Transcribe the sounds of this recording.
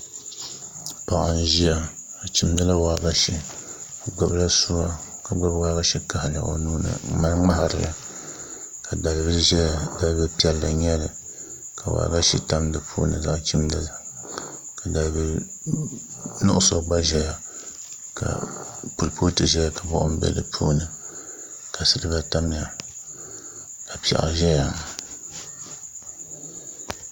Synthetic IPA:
pa˨ʔa˨n˦ʒi˦a˦ | a˨t͡ʃi˨mdɨ˦la˦waː˨ɡa˦ʃi˦˨ | ɡ͡ba˦bla˦su˦wa˦ka˨ɡ͡ba˦bwa˦ɡa˦ʃi˦ka˨ha˨la̰˨ʔo̰˦nuː˦nɨ̰˨ma˦ŋ͡ma˦ha˨ɾɨ̰˨la̰˨ | ka˨da˨lbɨ˦lʒɛ˦la˨da˦bɨ˦pi˦ɛ˦lːa˨ɲɛ˦lɨ˨ | ka˨wa̰˨ɡa˦ʃi˦ta˦mdɨ˨pʰṵ˦nɨ̰˨za˦ʔt͡ʃi˦mdɨ˦la˨ | ka˨da˨lbɨ˦ | nʊ̰˦ʔʊ˦so˨ɡ͡ba˦ʒɛ˦ja˨ | ka̰˨pu˨lpo˦tɨ˨ʒɛ˦ja˨ka˨bɔ̰˦ʔʊ˦m˦bɛ̰˦lɨ̰˨pʰṵː˦nɨ˨ | ka˨sɨ˦ɾɨ˦ba˦ta˦m˦a˨ | a˨pi˨ɛ̰˨ʔa̰˨ʒɛ˦ja˨ŋ˨

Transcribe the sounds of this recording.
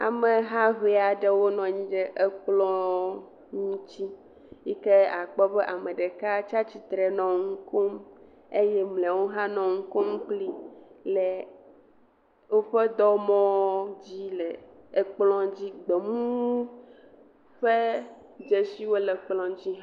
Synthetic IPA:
a̰˨mẽ˨ɦã˦βe˨a˨ɖe˦wo˦nɔ̃˨ɲĩ˦ɖɛ˦ʔe˦k͡plɔ̃˦ | ŋũ˦t͡ɕi˦ | ji˦ke˦a˨k͡pɔ˦bɛ˦ʔa˨mẽ˨ɖe˨ka˦t͡ʃa˦t͡ɕi˨t̪ɾɛ˨nɔ̃˨ŋu˦ko˦m | e˦jɛ˦mlɛ˨wo˦ɦã˦nɔ̃˨ŋ̩˦ko˦m˦k͡pli˦lɛ˨ | wo˦ɸe˦d̪ɔ˦mɔ̃˦d͡ʑi˦lɛ˨ | e˦k͡plɔ̃˦d͡ʑi˦ɡ͡be˨mũ˦ | ɸe˦ | d͡ʒe˦si˦wo˦le˨k͡plɔ̃˨d͡ʑi˦ɦ

